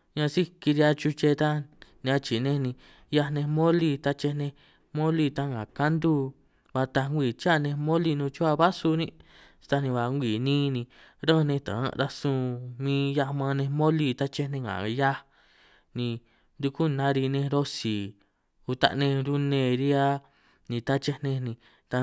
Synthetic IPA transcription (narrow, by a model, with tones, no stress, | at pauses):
ɲã˧si˦ki˧ɾi˧a˧t͡ʃu˧t͡ʃe˧t̪a˦nĩ˧ã˧t͡ʃi˨nẽ˧nĩ˧ | ja˧nẽ˧mõ˦li˧t̪a˧t͡ʃe˧nẽ˧ | mõ˦li˧t̪a˦ŋɡã˨ka˦nd̪u˦ | βa˧t̪a˧ŋɡʷi˨t͡ʃa˦˨˧nẽ˧mõ˦li˧nũ˧t͡ʃu˦a˧βa˦su˧nĩ̥˦˧ | t̪a˧nĩ˧βa˧ŋɡʷiː˨nĩː˦˧nĩ˧ | ɾə̃˦˧nẽ˧t̪ã̰˨˦˧ɾa˧sũ˧mĩː˧˦ja˧mã˧nẽ˧mõ˦li˧t̪a˦t͡ʃe˦˧nẽ˧ŋã̰˨ja˦ | nĩ˧ | nd̪u˧ku˦nã˧˦ɾi˧nẽ˧ɾo˧si˨ | u˧t̪a̰˧ʔnẽ˧ɾu˧nẽː˧˨ɾi˦a˦ | nĩ˧t̪a˦t͡ʃe˧nẽ˧nĩ˧ | t̪a˧